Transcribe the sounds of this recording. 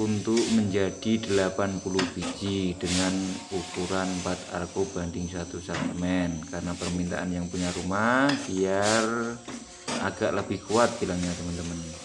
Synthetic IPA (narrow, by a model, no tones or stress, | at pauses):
unt̪ʊʔməɲd͡ʒad̥idəlapanpuluhpiɡidəŋanukuɾanpat̪a̰rkobandɪŋsat̪usat̪əmɛnkarənapərmint̪a̰ʔanjaŋpuɲaɾumahbiar | a̰ɡaʔləbɪhkuat̪̚bilaŋɲat̪əmənt̪əmən